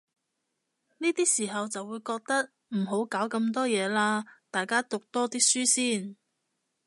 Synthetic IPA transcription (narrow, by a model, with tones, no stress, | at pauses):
niː˥t̪iː˥siː˨˩ɦɐ˨wt͡sɐ˨wuː˨˧jkɔː˧k̚t̪ɐ˥k̚ | m̩˨˩ɦo˨˥wkaː˨˥wkɐ˧mt̪̬ɔː˥jɛː˨˧laː˧t̪aː˨˩jkaː˥t̪ʊ˨k̚t̪ɔː˥t̪iː˥k̚syː˥siː˥˩n